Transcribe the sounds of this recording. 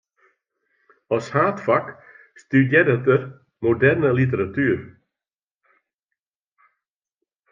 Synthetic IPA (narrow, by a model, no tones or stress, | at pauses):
ɔshaːtfak | stydjedətər | modɛrnəlit̬əɾatyːɾ